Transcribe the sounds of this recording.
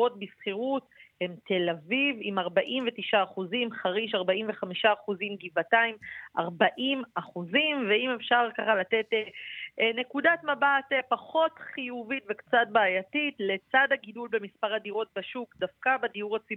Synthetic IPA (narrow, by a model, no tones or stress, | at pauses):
o̞tbisχiʁuthe̞mte̞lavivimaʁbaʔimve̞tiʃaːχuzimχaʁiʃaʁbaʔimveχamiʃaːχuzimɡivataimʔa̰ʁbaʔimaχuzimveimefʃaʁkaχalate̞tene̞kudatmabatepaχo̞tχijuvitvekt͡satbaːjatitle̞t͡sadhaɡidulbe̞mispaʁhadiʁo̞t̚baʃukdafkabediuʁat͡sib